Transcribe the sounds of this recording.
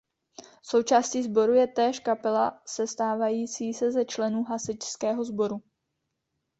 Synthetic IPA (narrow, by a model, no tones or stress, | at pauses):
so̞wt͡ʃaːsciːzbo̞ɾujɛt̪ɛːʃkapɛlasɛst̪aːvajiːt͡siːsɛzɛt͡ʃlɛnuːɦasɪt͡ʃskɛːɦo̞zbo̞ɾu